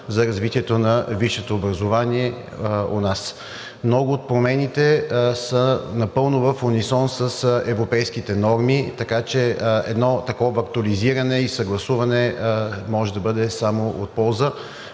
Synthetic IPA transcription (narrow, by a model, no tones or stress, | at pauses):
zɐɾɐzvit̪iɛt̪onɐviʃɛt̪oːbɾɐzovaniɛ | o̰nas | mnɔɡʊːt̪̚pɾomɛnit̪ɛsənɐpɤlˠnʊvɐfonisɔnsəsɛvɾopɛjskit̪ɛnɔɾmit̪ɐkat͡ʃɛɛ̰d̪nɔt̪ɐkɔvɐkt̪ʊliziɾɐnɛisɐɡlˠɐsuvɐnɛmɔʒɛd̪ɐbɤd̪ɛsamoʔot̪̚pɔlˠzə